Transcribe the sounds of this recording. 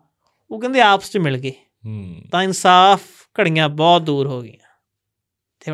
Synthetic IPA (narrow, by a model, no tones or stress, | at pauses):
oːkə̃nd̪eːaːpəst͡ʃmɪlɡeː | t̪ãːɪnsaːpʰ | kəɽ̤ɪjãːbɔːt̪̚d̪uːɾɦoːɡɪ̰jã̰ː | t̪ʰːeː